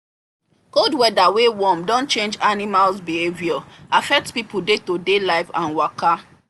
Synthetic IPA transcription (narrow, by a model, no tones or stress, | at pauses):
koldwɛdawewɔ̃mdɔ̃nt͡ʃẽnd͡ʒanimalsbiheviɔafɛk̚tpipudetodelaɪfãnwɔka